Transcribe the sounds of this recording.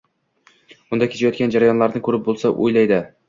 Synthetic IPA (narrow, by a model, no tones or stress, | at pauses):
ʊnd̪akʲʰet͡ʃʰajɒt̪kʲand͡ʒaɾajɒnlaɾnɪkʰɵɾɪp̚bolˠsaʔo̰jlajd̪ɪ